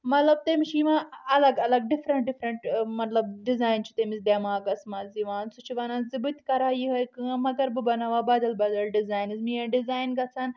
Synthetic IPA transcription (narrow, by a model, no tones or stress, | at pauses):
mɐt̪lɐb̚t̪emiʃiːʋãːɐlɐɡɐlɐɡ̚ɖɪfʰɾɐɳʈ̚ɖɪfɾɐɳʈmɐt̪lɐb̚ɖizaːjnt͡ʃʰu̥t̪emisd̪eːmaːɡɐsmaːziʋaːnsut͡ʃʰiʋɐnãːzibɨt̪ʲkɐɾaːjiɦɐjkɨmɐɡɐɾbɨbɐnaʋaːbɐd̪ɐlbɐd̪ɐlɖɪzaːjnɨzmijɐ̃ɖizaːjnɡɐt͡sʰan